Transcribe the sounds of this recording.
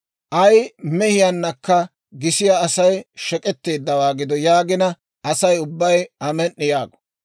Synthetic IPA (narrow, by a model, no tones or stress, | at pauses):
ʔɐjmɛhɪjɐnːɐkːɐ | ɡɪsɪjaɐsɐjʃɛkʼɛt̪ːe̞ːd̪ːɐwaːɡɪd̪ɔjaːɡɪnɐ | ʔɐsɐjʊbːɐjɐmɛnːɪjaːɡɔ̥